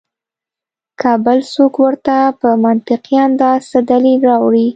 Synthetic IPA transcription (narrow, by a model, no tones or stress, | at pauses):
kʰɑbəlsokwəɾt̪apəmant̪ɪqjɑnd̪ɑsad̪alilɾɑwɽi